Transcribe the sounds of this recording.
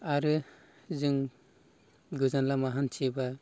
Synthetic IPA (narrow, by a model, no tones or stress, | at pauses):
aɾɯ | zɯŋ | ɡɯzanlamaɦant͡ʃʰiba